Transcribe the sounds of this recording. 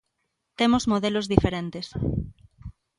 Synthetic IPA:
t̪emozmoðelozðifeɾẽnt̪es

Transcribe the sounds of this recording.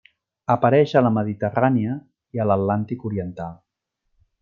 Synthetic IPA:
əpəɾɛʃələməðit̪əraniə | iələt̪lant̪ikuɾiənt̪alˠ

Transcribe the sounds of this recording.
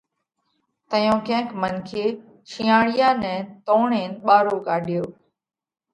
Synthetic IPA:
t̪əjõːkẽɦə̃ŋkmənkʰeː | t͡ʃʰĩːãːɽɪjaːnɛ̃ːt̪õːɳeːnɓaːɾoːkaːɗɪjoː

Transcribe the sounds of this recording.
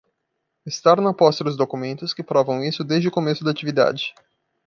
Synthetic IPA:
ɪst̪aɾnɐpɔst̪ɐd̪ʊzd̪okumẽnt̪ʊskɪpɾɔvɐ̃w̃isʊd̪ezd͡ʒɪʊkomesʊd̪at͡ʃivid̪a̰d͡ʒɪ

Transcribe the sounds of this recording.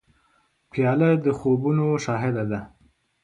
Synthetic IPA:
pjɑləd̪əxobunoʃɑɦɪd̪ad̪a

